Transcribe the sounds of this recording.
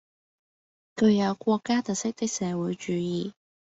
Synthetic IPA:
kʰɵ˨˧ɥjɐ˨˧wkʷɔː˧kːaː˥t̪ɐ˨t̚sɪ˥k̚t̪ɪ˥k̚sɛː˨˧wuː˨˧˥jt͡ʃyː˨˧˥jiː˧

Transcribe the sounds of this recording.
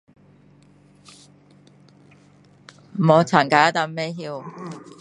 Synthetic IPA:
m̩˨˩ɔː˨˧t͡sʰaː˨˩nkaː˨˥ja˥t̪a˧˥mɛː˥ɦiː˧w

